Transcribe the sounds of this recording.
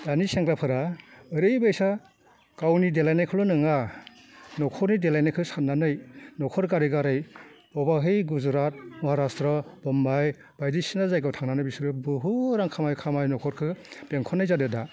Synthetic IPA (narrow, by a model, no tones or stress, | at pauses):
daniseŋkɾapʰɯɾaɯɾɯjbɯjsa | kawnidelajnajkʰɔlɔnɯŋa | nɔkʰɔɾnidelajnajkʰɯsatnanɯjnɔkʰɔɾkaɾiɡaɾɯjbɔbaɦɯjɡuzɾat̚mɔɦaɾastɾɔbɔmbaj | b̥ajdisinazajɡɯwtʰaŋnanɯjbisɾɯbɯɦuɾaŋkʰamajkʰamajnɔkʰɔɾkʰɯb̥eŋkʰɔnːajzadɯda